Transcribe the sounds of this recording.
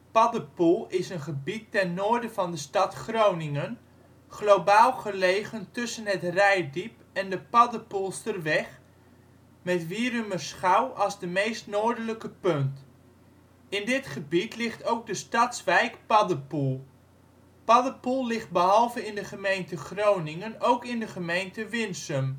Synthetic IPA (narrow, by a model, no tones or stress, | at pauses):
pɑdəpulˠɪsənχəbitːɛnːoːɹdəvɑndəstɑtχrownɪŋən | χlowbaːlˠχəlejχəntɵsənɦətrɛjdip | ɛndəpɑdəpulˠstərʋɛχ | mɛtʋiːɾyməsχawʔɑlˠzdəmejstnoːɹdələkəpɵnt | ɪndɪtχəbitlɪχtowɡ̚dəstɑtsʋɛjkpɑdəpulˠ | pɑdəpulˠlɪχt̚bəɦɑlˠvəɪndəχəmejntəχrownɪŋənowkɪndəχəmejntəʋɪnsəm